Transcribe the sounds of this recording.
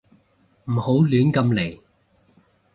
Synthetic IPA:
m̩˨˩ho˨˥wlyː˨˥nkɐ˧mle˨˩j

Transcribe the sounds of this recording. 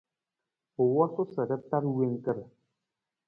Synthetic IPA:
o˨wɔ˦so˦sə˨də˦ta˦ɾwe˦ŋ˦kə˦˨ɾ

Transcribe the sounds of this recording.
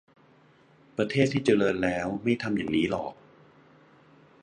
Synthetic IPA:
pɾa˧t̪ʰeː˥˩t̪ʰːiː˥˩t͡ɕa˧lɤː˧nlɛː˦˥wma˥˩jt̪ʰa˧mjaː˨˩ŋniː˦˥lɔ̰ː˨˩k̚

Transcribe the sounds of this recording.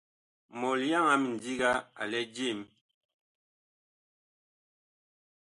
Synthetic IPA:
mɔ˨lja˦˨ŋa˨˦mi˨ndi˦ɡa˦a̰˨lɛ˦d͡ʒi˦˨m

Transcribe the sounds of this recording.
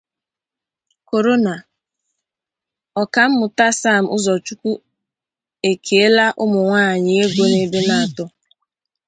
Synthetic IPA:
ko˨ɾo˦na˨ | ɔ˨ka˨m̩˦mʊ˨ta˦sa˦˨m̩˨ʊ˦zɔ˨t͡ʃu˦kʷu˦ | e˨kʰe˨e˦la˦ʔʊ˦mʊ˨ŋʷaː˦˨ɲɪ˨e˦ɡʷo˦ne˦be˦na˦˨tʊ˦

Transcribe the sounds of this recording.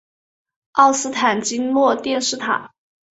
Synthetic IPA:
ɑ˥˩ʊsɹ̩˥t̪ʰa˨˩nt͡ɕi˥nlwɔ˥˧t̪jɛ˥˧nʂɻ̩˥˧t̪ʰa̰˨˩˦

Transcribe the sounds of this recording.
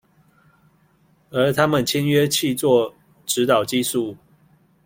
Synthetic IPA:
ə˞˨˧˥t̪ʰa˥mə˨nt͡ɕʰjɛ˥nɥɛ˥˦t͡ɕʰi˥˧t͡swɔ˥˨ | ʈ͡ʂɻ̩˨˦t̪ɑ˨˩ʊt͡ɕi˥˧su˥˨

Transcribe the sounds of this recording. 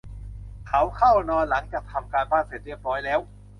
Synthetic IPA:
kʰa˨˦˥wkʰa˥˩wnɔː˧nla˩˦ŋt͡ɕaː˨˩k̚t̪ʰa˧mkaː˧nbaː˥˩nse˨˩t̪̚ɾi˥˩pɔː˧˥jlɛː˦˥w

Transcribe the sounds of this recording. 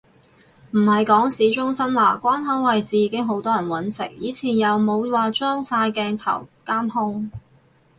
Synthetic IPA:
m̩˨˩hɐ˨jkɔː˨˥ŋsiː˨˥t͡ʃʊ˥ŋsɐ˥mlaː˨˩kʷwaː˥nɦɐ˨˥wwɐ˨jt͡siː˨˧jiː˨˧kɪ˥ŋɦo˨˥wt̪ɔː˥jɐ˨˩nwɐ˨˥nsɪ̰˨˩ŋ̚jiː˨˧t͡sʰiː˨˩njɐ˨˧wmo˨˧wwaː˨˧t͡ʃœː˥ŋsaː˧jkɛː˧ŋt̪ʰɐ̰˨˩wkaː˥mhʊ˥ŋ

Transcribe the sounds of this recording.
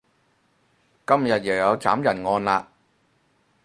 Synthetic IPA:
kɐ˥mjɐ˨t̚jɐ˨˩jɐ˨˧wt͡sa̰ː˨˥mjɐ˨˩nŋɔː˧nlaː˧

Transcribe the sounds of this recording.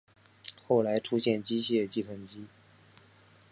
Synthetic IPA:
xo˥˩ʊla˧˥ɪʈ͡ʂʰu˥ɕjɛ˥˩nt͡ɕi˥ɕjɛ˥˧˩t͡ɕi˥˩t̪ʰə˧˥nt͡ɕi˥

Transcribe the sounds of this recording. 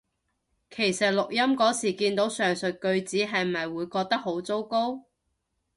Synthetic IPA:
kʰe˨˩jsɐ˨t̚lʊ˨k̚jɐ˥mkɔː˨˥siː˨˩kiː˧nt̪o˨˥wsœː˨˩ŋsɵ˨t̚kɵ˧ɥt͡siː˨˥ɦɐ˨jm̩˨ɐ˨jwuː˨˧jkɔː˧k̚t̪ɐ˥k̚ɦo˨˥wt͡so˥wko˥w

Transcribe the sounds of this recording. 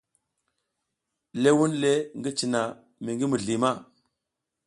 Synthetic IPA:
le˦wu˦nle˦ŋɡi˦t͡ʃi˨na˨ | mi˨ŋɡi˦mu˨ɮi˨ma˦˨

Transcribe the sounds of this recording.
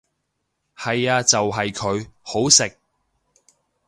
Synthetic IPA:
hɐ˨jaː˧t͡sɐ˨wɦɐ˨jkʰɵ˨˧ɥho˨˥wsɪ˨k̚

